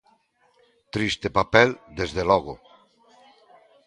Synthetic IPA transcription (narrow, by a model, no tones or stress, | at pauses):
t̪ɾist̪epapɛld̪ezðelɔɣo